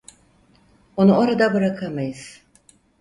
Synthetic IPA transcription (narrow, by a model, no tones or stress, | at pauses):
o̞nuo̞ɾad̪abɯɾakʰamajɯz̥